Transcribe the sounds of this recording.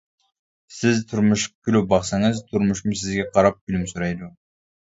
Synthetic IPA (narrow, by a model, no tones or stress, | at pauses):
sɪzt̪ʰuɾmuʃkylyp̚bɑqsɑŋəzt̪ʰʊɾmuʃmsɪzɡʲeqʰɑɾɑp̚kylymsuɾɑjd̪u